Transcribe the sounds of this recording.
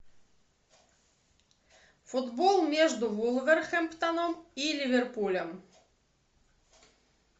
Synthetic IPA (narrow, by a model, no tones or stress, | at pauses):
fʊd̪bɔlˠmʲjɛʐd̪ʊvulˠvɛrxɛmpt̪anɔmilʲivʲɛrpulʲɛm